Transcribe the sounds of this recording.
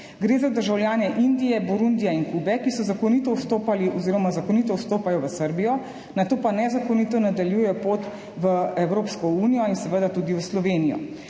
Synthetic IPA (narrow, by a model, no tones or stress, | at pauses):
ɡɾeːzad̪əɾʒawljaːnɛʔind̪ijɛbɔɾund̪ijainkuːbɛkisɔzakɔnit̪ɔwst̪oːpaliɔziːɾɔmazakɔnit̪ɔwst̪oːpajɔʋəsəɾbijɔ | nat̪oːpanɛzakɔnit̪ɔnad̪aljuːjɛjɔpoːt̪ | ʋəɛwɾoːpskɔuːnijɔinsɛʋəd̪at̪uːd̪iʋəslɔʋeːnijɔ̰